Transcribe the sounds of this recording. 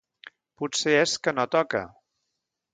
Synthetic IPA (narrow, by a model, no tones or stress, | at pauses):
put̪seeskənot̪ɔkə̰